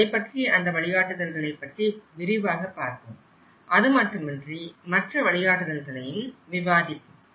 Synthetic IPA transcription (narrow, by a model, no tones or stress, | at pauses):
ɐɪpːɐʈriʔɐnd̪ɐʋɐɭɪjaːʈːɯðɐlɣɐɭɐɪpːɐʈriʋɪɾɪʋaːɣɐpːaːɾkɯm | ʔɐðɯmɐʈrɯmɛndrimɐʈrɐʋɐɭɪjaːʈːɯðɐlɣɐɭɐjɪlʋɪʋaːðɪpːɯm